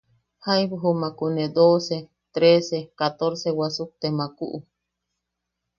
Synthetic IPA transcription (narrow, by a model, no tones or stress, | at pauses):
hajβuɦumãkuned̪ose | t̪ɾesekat̪oɾsewasuk̚t̪emãkṵʔu